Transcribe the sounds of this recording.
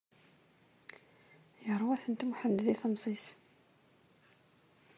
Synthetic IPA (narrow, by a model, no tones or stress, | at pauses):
jəɾˤwæθənt̪muħənd̪ðiθəmsˤis